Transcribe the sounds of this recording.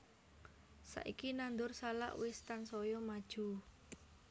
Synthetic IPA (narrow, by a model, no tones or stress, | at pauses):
sa̰ʔikinand̪ʊrsala̰ʔwɪst̪ansɔjɔmad̥ʒ̥ṳ